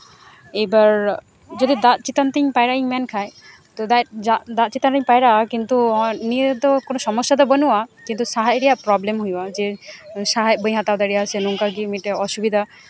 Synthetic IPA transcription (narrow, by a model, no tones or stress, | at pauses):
ejbaɾ | d͡ʒod̪id̪at̪̚t͡ʃit̪ant̪iɲpajɾaiɲmɛnkʰaj | t̪ɔd̪aad̪at̪̚t͡ʃit̪anɾiɲpajɾakint̪unied̪ɔkonɔsɔmɔsːad̪ɔbənuwakint̪usaɦajɾɛjapɾɔblemɦujwad͡ʒɛsaɦaj̚bəj̃ɦat̪awd̪aɾijasɛnuŋkaɡimiʈɛɔʃubid̪ʱa